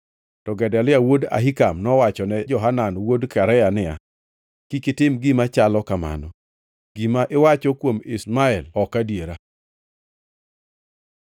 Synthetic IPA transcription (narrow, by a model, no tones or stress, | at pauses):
tɔɡɛdɛlɪawoda̰ɦikamnɔwat͡ʃɔnɛd͡ʒɔɦananwodkaɾɛjanɪa̰ | kikɪtɪmɡimat͡ʃalɔkama̰nɔ | ɡ̥imaʔɪwat͡ʃɔkwomɪsmaɛlɔkadjeɾa